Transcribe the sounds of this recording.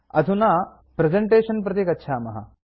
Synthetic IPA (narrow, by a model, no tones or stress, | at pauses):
ɐ̰d̪ʱunaː | pɾezeɳʈeːʃɐnp̬ɾɐt̪ikɐtːʃʰaːmɐ̰ɦɐ̰